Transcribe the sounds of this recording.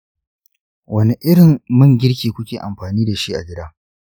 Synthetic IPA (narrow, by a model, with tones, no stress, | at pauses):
wɐ˦ni˨ʔɪ˦ɽɪ˨mmɐ˦ŋɡʲɪ˦ɽkʲeː˨kʷʊ˦kʲeː˨ʔa˨mɸaː˨niː˦da˨ʃi˦ʔa̰˨ɡʲɪ˦daː˦